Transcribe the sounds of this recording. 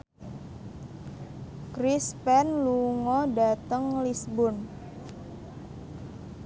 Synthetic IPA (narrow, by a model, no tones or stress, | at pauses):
kɾispɛnluŋɔdat̪əŋlisbʊn